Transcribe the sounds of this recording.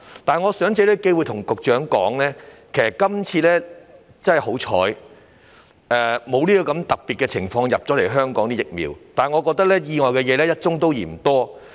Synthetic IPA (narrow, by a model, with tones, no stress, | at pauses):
t̪aː˨˩nŋɔː˨˧sœː˨˥ŋt͡se˨˧˥lɛ˥ke˥jwuː˨˧jt̪ʰʊ˨˩ŋkʊ˨k̚t͡ʃœː˨˥ŋkɔː˨˥ŋlɛː˥kʰe˨˩sɐ˨˩kɐ˥mt͡sʰiː˧lɛː˥ | t͡sɐ˥hɐ˨jɦo˨˥wt͡ʃʰɔ̰ː˨˥j | ɛː˨˧mo˨˧wliː˥kɔː˧kɐ˨˧˥mt̪ɐ˨k̚pi˨kɛ˧t͡sʰɪ˨˩ŋfɔː˧ŋjɐ˨p̚t͡sɔ˨˥le˨˩jɦœː˥ŋkɔː˨˥ŋt̪iː˥jɪ˨k̚mḭː˨˧wt̪aː˨nŋɔː˨˧kɔː˧k̚t̪ɐ˥k̚lɛː˥jiː˧ŋɔː˨jkɛː˧jɛː˨˧lɛː˥jɐ˥t̚t͡ʃʊ˥ŋt̪o˥wjiː˨˩m̩˨˩t̪ɔː˥